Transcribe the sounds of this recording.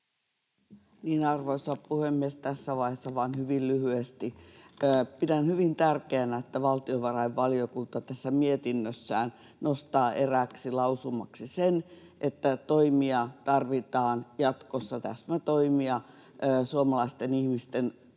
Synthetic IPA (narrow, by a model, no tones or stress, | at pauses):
niːnɑrʋoisɑppuhemːiest̪æsːæʋɑihesːɑʋɑːnhyʋillyhyest̪iəːpidænhyʋint̪ærkeænæet̪ːæʋɑlt̪ioʋɑrɑiʋʋɑliokunt̪ɑt̪æsːæmiet̪inːøsːæːn | nost̪ɑːʔeræksilɑusumɑksisen | ʔet̪ːæt̪oimiɑt̪ɑrʋit̪ɑːnjɑt̪kosːɑt̪æ̰smæt̪oimiɑ | əːsuomɑlɑist̪enihmist̪en